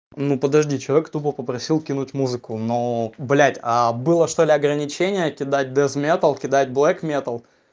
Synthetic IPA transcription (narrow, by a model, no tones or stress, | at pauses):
nupəd̪ɐʐdʲit͡ɕɪlˠɐvʲekt̪ubəpəpɾɐsʲilˠkʲinʊtʲmuzɨkʊnoblʲætʲabɨlˠəʂt̪olʲɪɐɡɾənʲɪt͡ɕenʲɪjəkʲɪd̪at̚ʲd̪ɛsmʲet̪əlˠkʲɪd̪atʲblˠɛkmʲet̪əlˠ